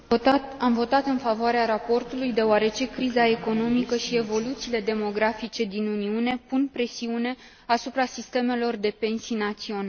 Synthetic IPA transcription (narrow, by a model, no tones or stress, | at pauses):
amvo̞t̪at̪ɨnfavoaɾeaɾapo̞rt̪ulujd̪e̞oaɾe̞t͡ʃe̞kɾizae̞ko̞no̞mikəʃie̞vo̞lut̪siːle̞d̪e̞mo̞ɡɾafit͡ʃe̞d̪inuniune̞punpɾe̞siune̞ | asupɾasist̪e̞me̞lo̞rd̪e̞pe̞nsijnat̪sio̞na